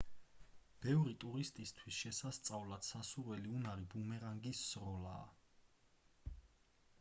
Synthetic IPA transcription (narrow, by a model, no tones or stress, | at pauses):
b̥ɛvɾit̪ʼuɾist̪ʼist̪ʰwisʃɛsast̪sʼavlat̪sasuɾwɛliunaɾibumɛɾaŋɡisːɾɔlaː